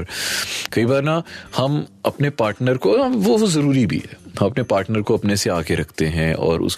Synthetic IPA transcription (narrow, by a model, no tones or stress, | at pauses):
ɾkɐibaːɾnahɐmɐpnepaːɾʈnəɾkoʋoʋozɐɾuːɾibʱḭɦɛ̰ːɦɐ̃mɐpnepaːɾʈnəɾkoɐpneseaːɡeɾɐkʰt̪eɦɛ̃ɔ̰ːɾʊ̰sk